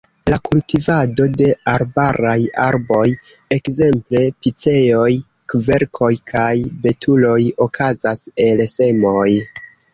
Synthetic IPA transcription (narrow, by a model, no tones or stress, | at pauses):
lakultivado̞de̞aɾbaɾajaɾbo̞j | e̞kze̞mple̞pit͡se̞jo̞j | kve̞ɾkʰo̞jkʰajbe̞tʰulo̞jo̞kʰazase̞lse̞mo̞j